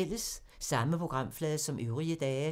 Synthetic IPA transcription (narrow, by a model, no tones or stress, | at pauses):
l̰əsː | ɑ̈məpʰʁo̝ɡ̥ʁɑ̈m̰flɛːðˠsɒ̽mʔøʊʁiəd̥ɛː